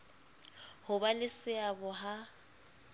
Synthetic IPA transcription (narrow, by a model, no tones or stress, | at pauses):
hʊbalɪsɪabʊɦa